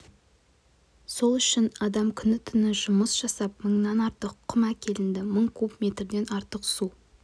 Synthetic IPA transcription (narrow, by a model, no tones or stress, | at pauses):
so̞lˠʏʃɪnɑd̪ɑmkʲʰʏnɪt̪ʰʏnɪʒʊməsʒ̥ɑsɑp̚məɴnɑnɑɾt̪əqʰːʊmɑkʲʰe̞lɪnd̪ɪməɴkʲʰɵbme̞t̪ɾd̪e̞nɑɾt̪əqsu